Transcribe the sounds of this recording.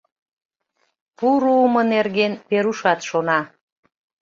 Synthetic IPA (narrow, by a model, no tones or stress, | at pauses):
puɾuumənerɣenpeɾuʃɑt̪ʃonɑ